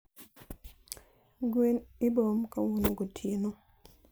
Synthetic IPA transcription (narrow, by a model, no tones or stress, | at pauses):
ɡwenɪbomkawunoɡotʰeno